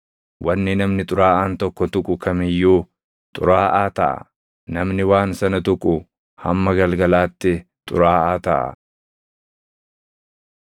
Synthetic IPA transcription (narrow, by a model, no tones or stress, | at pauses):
wʔɐnːɪnɐmnɪt̪ʼʊɾaːʔaːnt̪ɔkːɔt̪ʊkʼʊkʰɐmɪjːuː | t̪ʼʊ̰ɾaːʔaːt̪ɐʔɐ̰ | nɐmnɪwaːnsɐnɐt̪ʊkʼʊ | hɐmːɐɡɐlɡɐlaːt̪ːɪ | t̪ʼʊ̰ɾaːʔaːt̪ɐʔɐ̰